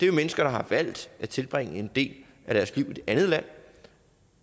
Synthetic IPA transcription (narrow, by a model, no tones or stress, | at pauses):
d̥e̝omenəsɡ̥ɐɾ̥ɑ̈ɦɑ̈ʋæl̰d̥æt͡sʰe̝lb̥ʁeŋ̰əe̝nd̥e̝̰ːl | æɾæɐsliʊ̰id̥eʔænð̞̩ˠlæn̰